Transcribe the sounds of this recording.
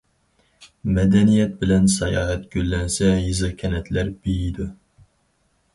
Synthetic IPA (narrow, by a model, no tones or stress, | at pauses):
mɛd̪ɛnijɛt̪̚bɪlɛnsɛjɑːɦɛt̪ɡ̥ʲølːɛnsɛjɨzɨkʲʰɛnɛt̪ʰlæɾb̥ijid̪u